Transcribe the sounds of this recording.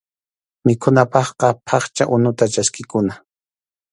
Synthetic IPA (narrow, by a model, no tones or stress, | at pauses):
mɪkʰʊnapɑχqɑpʰɑχt͡ʃaʔʊnʊt̪at͡ʃaskɪkʊna